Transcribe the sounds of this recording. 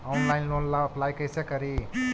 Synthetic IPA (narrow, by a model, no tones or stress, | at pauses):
ɔnlaɪnlonlaəplajkəjsekəɾi